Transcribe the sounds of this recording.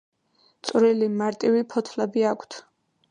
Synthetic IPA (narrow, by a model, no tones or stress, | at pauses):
t̪sʼwɾilimaɾt̪ʼivipʰɔt̪ʰlɛbiakʷʰt̪ʰ